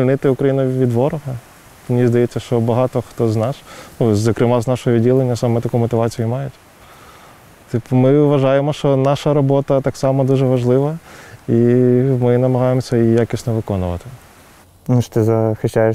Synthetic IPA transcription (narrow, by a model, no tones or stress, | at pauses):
lʲnɪt̪ɪʊkɾɐjinʊʋʲid̪ʋɔɾɔɦɐ | mnʲizd̪ɐjɛt͡sʲːɐʃt͡ʃɔbɐɦɑt̪ɔxt̪ɔznɑʃnuzɐkɾɪmɑznɑʃɔɦɔʋʲidʲilˠenʲːɐsɑmɛt̪ɐkumɔt̪ɪʋɑt͡sʲijʊmɑjʊtʲ | t̪ɪpmɪʋɐʒɑjemɔʃt͡ʃɔnɑʃɐɾɔbɔt̪ɐt̪ɑksɑmɔd̪uʒɛʋɐʒlˠɪʋɐimɪnɐmɐɦɑjemɔsʲɐijakʲisʲnɔʋɪkɔnʊʋɐ̰t̪ɪ̥ | nuʃt̪ɪzɐxɪʃaje